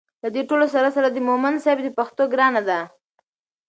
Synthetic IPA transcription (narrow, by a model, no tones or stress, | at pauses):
lad̪eʈolosaɾasaɾad̪əmomansjbd̪əpaxt̪oɡɾɑnad̪a